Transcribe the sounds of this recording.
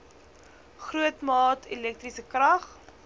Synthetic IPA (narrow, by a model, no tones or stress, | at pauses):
χruətmɑːtʰelɛk̚trisəkrɐχ